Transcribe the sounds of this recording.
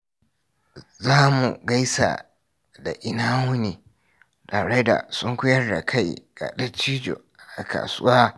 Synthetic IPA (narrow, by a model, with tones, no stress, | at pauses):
zaː˦mṵ˨ɡa˦jsa̰˨ | da˨ʔɪ˦naː˦mʊ˦niː˨ | taː˨ɽe˦da̰˨sʊ˦ŋkʷʊ˦jɐ˦rda̰˨kʰa˦˨jɡ̥a̰˨ɗɐ˦t͡ʃiː˦d͡ʒo̰˨ | a̰˨ka̰ː˨sʊ˦waː˦